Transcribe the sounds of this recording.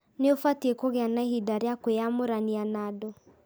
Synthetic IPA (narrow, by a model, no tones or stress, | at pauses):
neofatiekoɣeanaeɦidaɾakojamoɾanianadɔ